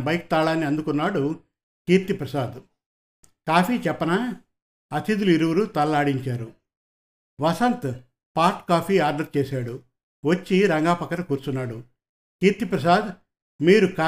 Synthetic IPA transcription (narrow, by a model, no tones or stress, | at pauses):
bɐjk̚t̪aːɭaːnːiɐnd̪ukunːaːɽu | kiːɾt̪ipɾɐsaːd̪ | kaːpʰiːt͡ʃɛpːɐnaː | ɐt̪id̪uliɾuwuɾut̪ɐlɐlaːɽiɲt͡ʃaːɾu | ʋɐsɐnt̪ | paːɾʈkaːpʰiːaːɾɖɐɾt͡ʃeːsaːɽu | ʋɐt͡ʃːiɾɐŋɡaːpɐkːɐɾɐkuːɾt͡ʃunːaːɽu | kiːɾt̪ipɾɐs̬aːd̪ | miːɾukaː